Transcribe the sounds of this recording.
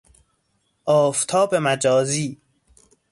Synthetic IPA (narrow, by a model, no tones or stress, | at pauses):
ʔɒːft̪ʰɒːbemæd͡ʒɒːziː